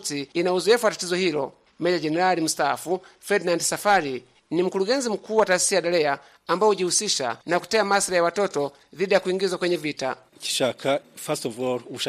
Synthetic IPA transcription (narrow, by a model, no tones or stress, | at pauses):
tiːnauzɔɛfuwatatizɔhilɔ̰ | mɛjad͡ʒɛnɛɾalim̩staːfufɛdnandɛsafaɾi | nim̩kuluɡɛnzim̩kuːwataːsi̥sijaɗalɛaː | mbaɔuɟihusiʃa̰naku̥tɛamasilajawatɔtɔ | ðiɗijakuiŋɡizwakwɛɲɛvita̰ | ci̥ʃakʰafasovoɾuʃa